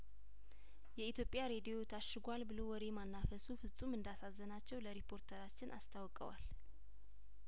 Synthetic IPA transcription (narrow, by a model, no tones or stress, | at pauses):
jɛit̪ʰjo̞pʼjaɾe̞d̪ijo̞t̪ʰaʃːɨɡʷalbɨlo̞wɔd̪emanːafəsufɨsʼumɨnd̪asazːənat͡ʃːɛwləɾipʰo̞ɾt̪ʰəɾat͡ʃːɪnʔa̰st̪ʰawkʼə̰wa̰l